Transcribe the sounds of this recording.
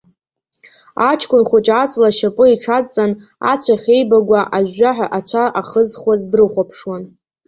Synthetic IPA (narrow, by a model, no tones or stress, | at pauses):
at͡ʃʰkʷʰʼʊnχʷʊt͡ʃʼat͡sʼlaʃapʼʊiʈ͡ʂʰat͡sʼan | a̰t͡sʷʰaχʲe̞jbaɡʷaʔaʒːaħaʔat͡ɕʷʰaʔaχəzχwazdrɨχʷapʰʂwan